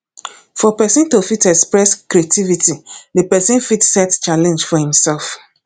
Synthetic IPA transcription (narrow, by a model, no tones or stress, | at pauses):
fɔpɛsĩntofitɛkspɹɛskɾiativitiðepɛsĩnfitsɛtt͡ʃalɛ̃nd͡ʒfɔhĩmsɛlf